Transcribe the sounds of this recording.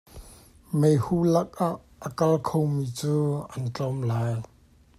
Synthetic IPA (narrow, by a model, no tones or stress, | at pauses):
mejhuːlɐk̚ʔaʔːəkɐlkʰowmiːt͡suːʔɐnt͡ɬɔmlaːj